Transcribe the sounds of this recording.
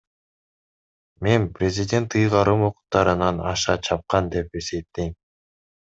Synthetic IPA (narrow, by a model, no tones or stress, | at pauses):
me̞nprʲɪzʲɪdʲe̞nt̪ɯjʁɑɾɯmoqu̥q̚t̪ɑɾɯnɑnɑ̰ʃɑt͡ʃʰɑp̚qɑnd̪e̞pe̞se̞p̚t̪ːejm